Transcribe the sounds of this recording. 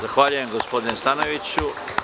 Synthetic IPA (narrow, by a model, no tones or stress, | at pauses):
zaxʋaːʎuje̞mɡospo̞d̪inest̪ano̞ʋit͡ɕu